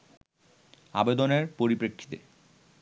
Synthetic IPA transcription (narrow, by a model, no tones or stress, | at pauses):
a̰bed̪oneɾpoɾipɾekʰːi̥t̪ḛ